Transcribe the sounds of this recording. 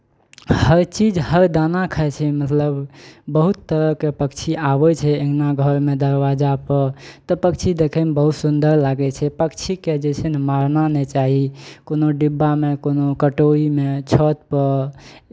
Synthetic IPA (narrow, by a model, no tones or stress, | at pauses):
həɾt͡ʃid͡ʒhəɾd̪anakʰət͡ʃʰɛmət̪ləbbəɦut̪ːəɾəkepəkt͡ʃʰiabɛt͡ʃʰɛeɦnaɡʱəɾmed̪əɾwad͡ʒapəɾt̪ɔpəkt͡ʃʰid̪ekʰɛmbəɦut̪sund̪əɾlaɡɛt͡ʃʰɛpəkt͡ʃʰiked͡ʒɛsʰɛnmaɾnanɛt͡ʃaɦikonoɖibːamekonokəʈoimet͡ʃʰɔt̪̚pə